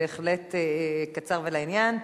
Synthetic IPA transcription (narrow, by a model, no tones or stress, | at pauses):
eeχletekat͡saʁvelainjan